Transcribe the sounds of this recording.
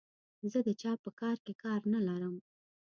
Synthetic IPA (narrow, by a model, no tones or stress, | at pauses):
zəd̪ət͡ʃɑpəkɑɾkekɑɾnalaɾəm